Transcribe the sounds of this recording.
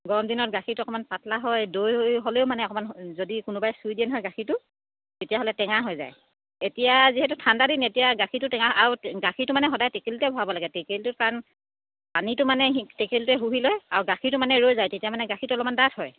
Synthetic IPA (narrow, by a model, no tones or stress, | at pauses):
ɡɔɹɔmdinɔtɡaxʰitʊɔkɔmanpatʰlaɦɔjdojjɦoleʊmanɛɔkɔmanzodikʊnʊbajsujdiɛnɦɔjɡaxʰitʊ | tetijaɦɔlɛtɛŋaɦɔjza̰j | etijaziɦɛtʊtʰandadinetijaɡaxʰitʊtɛŋaaɹuɡaxʰitʊmanɛɦɔdajtekeltɛbʱɔɦabɔlaɡɛtekeltʊkaɹɔn | panitʊmanɛɦtekeltʊɛɦuɦilɔjaɹɡaxʰitʊmanɛɹojzajtetijamanɛɡaxʰitʊɔlɔmandathɔj